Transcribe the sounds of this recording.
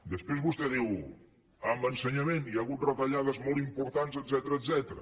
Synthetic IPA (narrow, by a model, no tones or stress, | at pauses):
d̪əspɾezβust̪ɛðiw | ambənsəɲəmeniaɣut̪̚rət̪əʎaðəzmɔlˠt̪impuɾt̪anzəd̪zɛt̪əɾəːzɛt̪ɾə̰